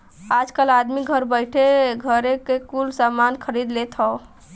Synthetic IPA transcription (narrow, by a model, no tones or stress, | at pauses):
ad͡ʒkəlad̪miɡʱəɾbəɪʈʰeɡʱəɾekekulsamankʰəɾid̪let̪ɦɔ